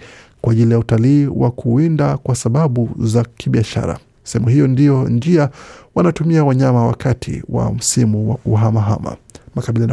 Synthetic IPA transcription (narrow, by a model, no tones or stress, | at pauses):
kwaʄilijautaliːwa̰kʰuindakwasaɓaɓuzakʰiɓiaʃa̰ɾa̰ | sɛhɛmuhijɔndijɔnd͡ʒiawanatumiawaɲamawa̰kʰatʰḭwa̰m̩simuwakuɦamaɦa̰ma̰makaɓilan